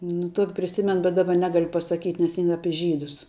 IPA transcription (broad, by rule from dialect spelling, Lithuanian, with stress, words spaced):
nʊ ˈtuɔkʲɪ pʲrʲɪˈsʲɪmʲɛn bʲɛt ˈdɑːbɐ ˈnʲæːɡɐlʲ pɐsɐˈkʲiːtʲ nʲɛs ɪn ˈɑːpʲɪ ˈʒʲiːdʊs